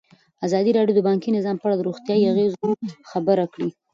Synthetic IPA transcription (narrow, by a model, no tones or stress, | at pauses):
azɑd̪iɾɑɖjod̪əbɑŋkinɪzɑmpəaɽad̪əɾoxt̪jɑiaɣezoxabəɾakɽi